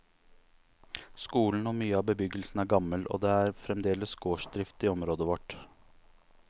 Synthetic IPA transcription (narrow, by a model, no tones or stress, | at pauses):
skuːln̩ɔmyːəɑːbəbʏɡəlsn̩æɾɡɑməlɔ̰ːd̪eæɾfɾɛmd̪eːləsɡoːʂd̪ɾɪft̪ɪɔmɾoːd̪əʋɔʈ